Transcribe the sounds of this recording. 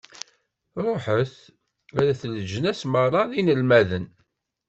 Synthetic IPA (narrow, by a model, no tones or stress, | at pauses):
ɾˤoħəθ | æðæθələʒənæsməɾˤɑðinəlmæðən